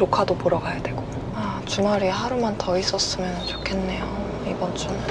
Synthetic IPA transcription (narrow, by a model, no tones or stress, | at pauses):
okʰadopoɾʌɡajadwe̞ɡ̥o | at͡ɕumaɾiɦaɾumantʰʌis͈ʌs͈ɯmjʌnɯnt͡ɕokʰe̞nːe̞jo | ibʌnt͡ɕom